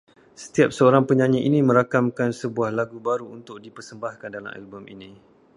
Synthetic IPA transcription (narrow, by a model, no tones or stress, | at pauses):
sə̥t̪iap̚səoɾaŋpəɲãɲiʔinimə̃ɾakamkansəbuahlaɡubaɾuunt̪ʊk̚dipərsəmbahkandala̰ma̰lbɔmḭnĩ